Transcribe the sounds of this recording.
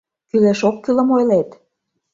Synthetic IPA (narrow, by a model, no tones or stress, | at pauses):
kylæʃokːylə̆mojlet̪